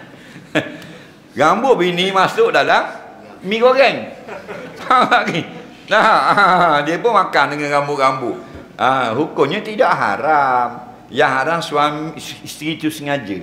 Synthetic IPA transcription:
ɡambʊbəinimasʊʔdalam | mĩɡoɡɛŋ | alaʔɡi | na | diəpʊnmakandəŋanɡambʊʔɡambʊʔ | ʔaɦukʊmɲət̪idaʔɦa̰ɾam | jaŋɦaɾamsuamiist̪ɾit̪usəŋad͡ʒə

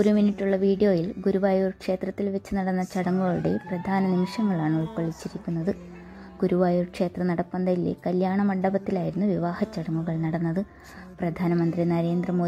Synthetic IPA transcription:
oɾuminːiʈʲːuɭːɐʋiːɽijo̞ːjilɡuɾuʋaːjuːrkʂeːt̪rɐt̪ːilʋet͡ɕːunɐɽɐnːɐt͡ɕɐɽɐŋːuɣɐɭɽḛprɐd̪ʱaːnɐnimɐʂɐŋːɐɭaːɳɨoɭpːɐɭit͡ɕːiɾikʲːunːɐðɨ | ɡuɾuʋaːjuːrkʂe̞ːt̪rɐnɐɽɐpːɐnd̪ɐjilḛkɐljaːɳɐmɐɳɖɐbɐt̪ːilaːjiɾunːuʋiʋaːhɐt͡ɕːɐɽɐŋːuɣɐɭnɐɽɐnːɐðɨ | prɐd̪ʱaːnɐmɐnd̪rinɐɾe̞ːnd̪rɐmo̞ːd̪

